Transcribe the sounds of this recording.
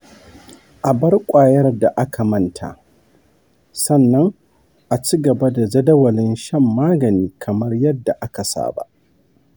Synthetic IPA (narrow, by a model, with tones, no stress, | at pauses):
ʔa˨bɐ˦rkʷʼaː˨jɐ˦rda˨ʔa˦kʰa˨mɐ˦˨ntʰa̰˨ | sɐ˦˨nːɐ˦ŋ | ʔa˨t͡ʃiː˦ɡɐ˨ba˦da˨d͡ʒɐ˦dɐ˦wɐ˨lɪ˦nʃɐ˦mːaː˦ɡɐ˨niː˦kʰɐ˨mɐ˦rjɐ˦dːa˨ʔa˦ka˨sa̰ː˦˨ba̰˦ʔ